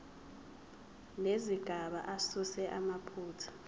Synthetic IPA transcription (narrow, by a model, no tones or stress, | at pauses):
leziɡ̥ʱaɓa̰ʔasusɛʔamapʰuːtʰḁ